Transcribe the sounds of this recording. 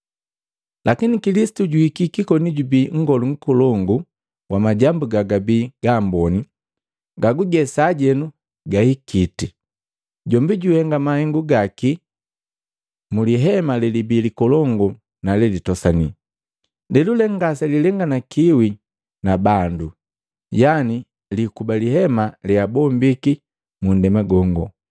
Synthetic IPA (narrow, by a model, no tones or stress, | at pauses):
lʔakinikilisi̥tuɟuhikikikɔniɟubiːŋ̩ɡɔluŋ̩kɔlɔŋɡu | wamaɟambuɡaɡabiːɡ̥aːmbɔni | ɡaɡuɡɛsaːɟɛnu | ɡahikʰiti | ɟɔmbiɟuhɛŋɡamahɛŋɡuɡaki | muliɦɛmalɛlibilikɔlɔŋɡɔ | nalɛlitɔsani | lɛlulɛŋɡasɛlilɛŋɡanakiwi | nabandu | jani | likubalihɛmaliabɔmbiki | mun̩dɛmaɡɔŋɡɔ̰